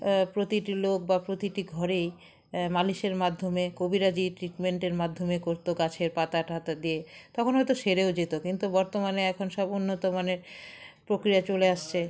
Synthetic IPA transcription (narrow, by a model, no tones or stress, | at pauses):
pɾot̪iʈilok̚bapɾot̪iʈiɡʱɔɾej | maliʃeɾmad̪ʱːomekobiɾad͡ʑiʈɾiʈmeɳʈeɾmad̪ʱomekoɾt̪oɡat͡ɕʰeɾpat̪aʈɦat̪ad̪ijet̪ɔkʰonɦɔjt̪oʃeɾeod͡ʑet̪okint̪ubɔɾt̪omaneɛkʰonʃɔbonːot̪omaneɾpɾokɾiat͡ɕoleaʃt͡ɕʰe